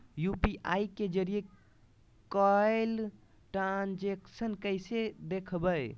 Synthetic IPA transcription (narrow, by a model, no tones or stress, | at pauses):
jupiʔaiked͡ʒəɾije | kɔl | ʈɾand͡ʒeksənkəsed̪ekʰbəj